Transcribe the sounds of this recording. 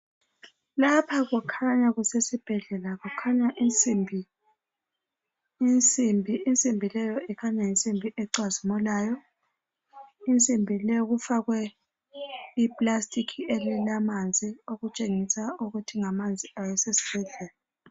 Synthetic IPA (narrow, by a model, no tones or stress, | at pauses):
lapʰaɣɔkʰaɲaɣusesib̥ʱɛɮɛlaɣukʰaɲaʔint͡sʼimbʱi | nt͡sʼimbʱiːnt͡sʼimbʱilɛjɔɛkʰaɲajint͡sʼimbʱiʔɛǀwazimɔlaːjɔ | int͡sʼimbʱilɛjɔɣufaɣwɛ | ipʼlastʼikʰielilamand͡zʱioɣut͡ʃʼeŋisauɣutʰiŋamand͡zʱiawɛsesi̥b̥ʱɛɮɛːla